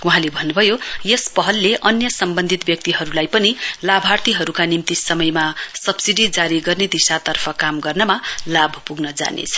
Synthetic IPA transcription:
uɦãlebʱʌnːubʱʌjojespʌɦʌlːeʔʌnjʌsʌmbʌnd̪ʱit̪bjʌk̚t̪iɦʌɾulajpʌnilabʱart̪iɦʌɾukanimt̪isʌmʌjmasʌbsiɖid͡zaɾiɡʌrned̪isat̪ʌrpʰʌkamɡʌrnʌmalabʱpuɡnʌd͡za̰nḛt͡sʰʌ̥

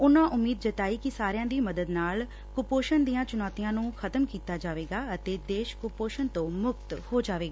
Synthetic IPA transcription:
ʊnãːʔʊmːiːd̪d͡ʒət̪aːiːkɪsaːɾɪjãːd̪iːməd̪əd̪naːl | kʊpoːʃənd̪iːjãːt͡ʃʊnaːt̪ijãːnũːkʰət̪əmkiːt̪aːd͡ʒaːʋeːɡaːət̪eːd̪eːʃkʊpoːʃənt̪õːmʊk̚t̪hoːd͡ʒaːʋeːɡaaː

